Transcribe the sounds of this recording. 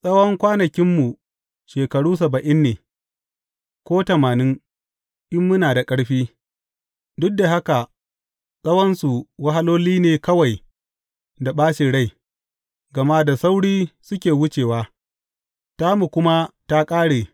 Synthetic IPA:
sʼɐ˦wɐ˦ŋkʷaː˦nɐ˨kʲɪ˦mːu˨ | ʃeː˨kɐ˨ɽuː˦s̬ɐ˨bɐ˨ʔɪ˦nːeː˨ | kʷoː˦tɐ˨maː˨nɪ˦ŋ | ʔɪ˦mːʊ˦naː˨da˨kʼɐ˦ɽɸiː˦ | dʊ˦k̚da˨ɦa˦ka˨ | sʼɐ˦wɐ˦nsu˨wɐ˦ɦa˦loː˦liː˦neː˨kɐ˦wa˨j | da˨ɓaː˦ʃi˨ɽa˦j | ɡɐ˨ma˦da˨sa˦wɽiː˦sʊ˦kʲeː˨wʊ˦t͡ʃeː˨waː˦ | ta˦mu˨kʷʊ˦ma˦ta˦kʼaː˦ɽeː˨

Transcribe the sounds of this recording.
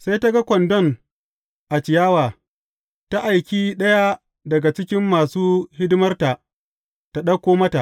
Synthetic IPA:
sa˦jta˦ɡa˦kʷɔ˨ndɔ˦n | ʔa˨t͡ʃɪ˨jaː˦waː˨ | ta˦ʔa˨jkʲiː˦ɗɐ˦ja˦ | dɐ˨ɡa˨t͡ʃɪ˦kʲɪ˦mːaː˨suː˦hɪ˦dɪ˦mɐ˦rta˨ʔ | ta˨ɗɐ˦kʷːoː˦mɐ˦ta˨ʔ

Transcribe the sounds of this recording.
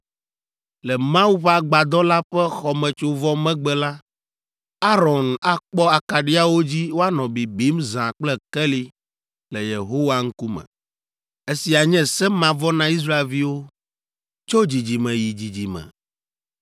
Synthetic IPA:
lɛ˨mã˦u˦ɸa˦ɡ͡ba˨d̪ɔ˦la˦ɸɛ˦xɔ˨mɛ̃˨t͡ʃo˨vɔ˦mɛ̃˦ɡ͡bɛ˨la˦ | a˦ɾɔ˨na˦k͡pɔ˦a˨ka˨ɖi˦a˦wo˦d͡ʑi˦wo˦a˦nɔ̃˨bi˨bi˦mzã˨k͡plɛ˦kɛ˦li˦ | lɛ˨je˨ɦo˦wa˦ŋ̩˦ku˦mɛ̰̃˨ | e˦si˨a˨ɲɛ̃˦sɛ˦mã˨vɔ˦nã˦i˦s̬ɾa˦e˨lvi˦wo˦ | t͡ʃo˦d͡ʑi˨d͡ʑi˨mɛ̃˨ji˨d͡ʑi˨d͡ʑi˨mɛ̰̃˨

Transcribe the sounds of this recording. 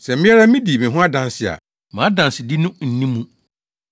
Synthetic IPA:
sɛ˨mɪ̃˦ɛ˦ɾa˦mĩ˦di˨mɪ̃˨ɦʊ̃˦a˦dã˨nsɪ˨a̰˨ | mã˨˦dã˨nsɪ˨di˦nʊ̃˦n̩˨nĩ˦mũ˦

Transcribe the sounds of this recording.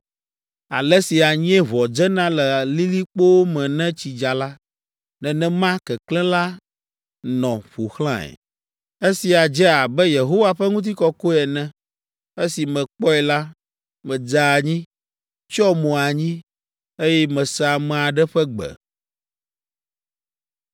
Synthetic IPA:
a̰˨lɛ˦si˨a˨ɲĩ˦ɛ˦βɔ˨d͡ʒɛ˦nã˦lɛ˨li˦li˦k͡po˦wo˦mɛ̃˨nɛ̃˦t͡ɕi˨d͡ʒa˨la˦ | nɛ̃˨nɛ̃˦mã˦kɛ˨klɛ̃˦la˦ | nɔ̃˨ɸo˨xlã˦ɛ̰˨ | e˦si˨a˨d͡ʒɛ˦a˨bɛ˦je˨ɦo˦wa˨ɸɛ˦ŋũ˦t̪̬i˦kɔ˦ko˦ɛ˨nɛ̃˦ | e˦si˨mɛ̃˨k͡pɔ˦ɛ˨la˦ | mɛ̃˨d͡za˨ɲĩ˦ | t͡ʃɔ˦mõ˨a˨ɲĩ˦ | e˦jɛ˦mɛ̃˨sa˨mɛ̃˨a˨ɖɛ˦ɸɛ˦ɡ͡bɛ̰˨

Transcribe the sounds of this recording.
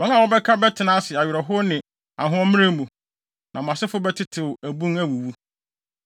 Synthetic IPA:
wɔ̃˦ŋ˦a˨wɔ˦bɛ˦kʰa˦bɛ˦tʰɪ˨nãː˦sɪ˨a˨ɥɪ˨ɾɔ˨ɦʊ˦nɪ̃˨ | a̰˨ɦʊ̃˦ɔ˦mɪ̃˦ɾẽ˦mũ˨ | nʔã˨m˨ã˨sɪ˦fʊ˦bɛ˦tʰɪ˦tʰɪ˨wʊ˨æ˨bũ˦næ˨wu˨wu˦

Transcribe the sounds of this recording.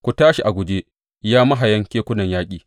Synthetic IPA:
kʷu˨taː˦ʃi˨ʔa˨ɡʷʊ˨d͡ʒeː˦ | jaː˦mɐ˦ɦa˨jɐ˦ŋkʲeː˦kʷʊ˦nɐ˨ɲjaː˦kʲʼiː˨

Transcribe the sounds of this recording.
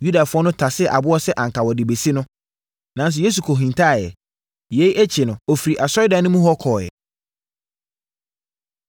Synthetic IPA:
ju˦da˨fʊ˦ɔ˦nʊ̃˦tʰa˨sɪ˦˨ʔa˨bʊ˦ɔ˦sɛ˦ʔã˨ŋ̩˨kʰa˨wɔ˨dɪ˨be˨si˦nʊ̃˦ | nã˨˦n˦s̬ʊ˨je˦s̬u˨kʰɔ˨ɦĩ˨n˨tʰa˦˨jɛ̰˨ | jɛ˦i˦ʔæ˦t͡ɕʰɪ˨nʊ̃˨ɔ˨fi˨ɾi˨ʔa˨sɔ˦ɪ˦dã˨nʊ̃˦mũ˦ɦɔ˦kʰɔː˨jɛ̰˨

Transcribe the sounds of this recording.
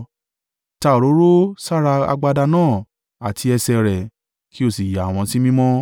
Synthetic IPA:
ta˧˨o˨ɾo˨˦ɾo˦sa˦ɾa˧a̰˧ɡ͡ba˧da˧nãː˦˨ | a˨tʰi˧ɛ˧sɛ˧ɾɛ˨ | kʰi˦o˦˨si˨ja˨a˨w̃ɔ̃˧si˦mĩ˦mɔ̃˦

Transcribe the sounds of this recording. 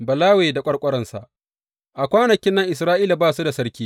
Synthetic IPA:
bɐ˨laː˦weː˨da˨kʷʼɐ˦ɽkʷʼɔ˦ɾɐ˦˨nsa˨ʔ | ʔa˨kʷaː˦nɐ˨kʲɪ˦nːɐ˦ŋʔɪ˨s̬ɾaː˦ʔiː˦la˨baː˦˨su˦da˨sɐ˦ɾkʲiː˦

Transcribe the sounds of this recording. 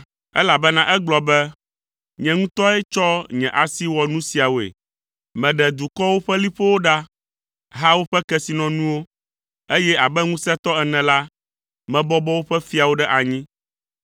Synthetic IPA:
ɛ̰˦la˨bɛ˦nã˦ʔɛ˦ɡ͡blɔ˨bɛ˦ | ɲɛ̃˨ŋũ˦t̪ɔ˦ɛ˦t͡ʃɔ˦ɲɛ̰̃˨ʔa˨si˦wɔ˨nũ˦si˨a˨wo˨ḛ˨ | mɛ̃˨ɖɛ˨d̪u˨kɔ˦wo˦ɸɛ˦li˦ɸɛ˦wo˦ɖa˦ | ɦa˦wo˦ɸɛ˦kɛ˦si˨nɔ̃˨nũ˦wo˦ | e˦jɛ˦a˨bɛ˦ŋũ˦sɛ˦t̪ɔ˦ɛ˨nɛ̃˨la˦ | mɛ̃˨bɔ˦bɔ˦wo˦ɸɛ˦fi˦a˨wo˦ɖɛ˦ʔa˨ɲĩ˦

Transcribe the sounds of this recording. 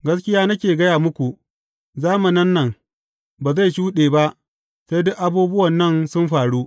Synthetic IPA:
ɡɐ˦skʲɪ˦jaː˦nɐ˦kʲeː˨ɡɐ˦jaː˨mʊ˦kʷu˨ʔ | zaː˦mɐ˨nɐ˦nːɐ˦˨ŋ | baː˨za˦˨jʃuː˦ɗeː˨ba˦ʔ | sa˦jdʊ˦ʔa˨buː˦bʊ˦wɐ˨nːɐ˦nsʊ˦mɸaː˨ɽu˦

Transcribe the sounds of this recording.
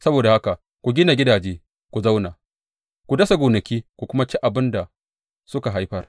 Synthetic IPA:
sɐ˦boː˨da˨ha˦ka˨ | kʷu˨ɡʲɪ˦na˨ɡʲɪ˦daː˨d͡ʒeː˦ | kʷu˨za˦wna˨ | kʷu˨dɐ˦sa˨ɡʷoː˨nɐ˨kʲiː˦kʷu˨kʷʊ˦ma˦t͡ʃi˦ʔa˨bɪ˦nda˨ | sʊ˦ka˨ɦa˦jɸɐ˦r

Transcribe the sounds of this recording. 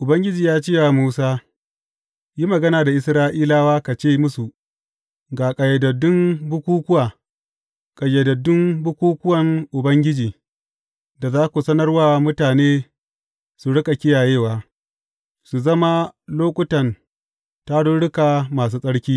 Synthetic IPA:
ʔʊ˨bɐ˦ŋɡʲɪ˦d͡ʒiː˨jaː˦t͡ʃɪ˦ja˨muː˦saː˦ | ji˦mɐ˨ɡɐ˦naː˨da˨ʔɪ˨sɾaː˦ʔiː˦laː˦waː˦ka˨t͡ʃeː˦˨mʊ˦su˨ | ɡaː˨kʼɐ˨jɐ˨dɐ˨dʊ˦mbʊ˦kʷuː˦kʷʊ˦waː˨ | kʼa˨jɛ˨dɐ˨dːʊ˦mbʊ˦kʷuː˦kʷʊ˦wɐ˨ŋʔʊ˨bɐ˦ŋɡʲɪ˦d͡ʒiː˨ | da˨zaː˦kʷu˨sɐ˦nɐ˦rwaː˦mʊ˦taː˨neː˦ | su˨ɽʊ˦kʼa˨kʲɪ˦jaː˨jeː˦˨waː˨ | su˨zɐ˦ma˦loː˦kʷʼʊ˦tɐ˨n | ta˦ɽʊ˦ɽʊ˦ka˨maː˨s̬uː˦sʼɐ˦ɽkʲiː˦

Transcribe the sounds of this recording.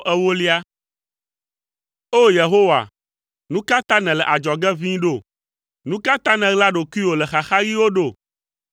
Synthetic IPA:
ʔɛ˦wo˦li˦a˦ | o˦je˨ɦo˦wa̰˨ | nũ˦ka˦t̪ã˦nɛ̃˨lɛ˨ʔa˨d͡ʒɔ˨ɡɛ˦vĩ˦ɖo˦˨ | nũ˦ka˦t̪ã˦nɛ̃˨ɣla˦ɖo˨ku˦i˦wo˨lɛ˨xa˨xa˦ɣi˦wo˦ɖo˦˨

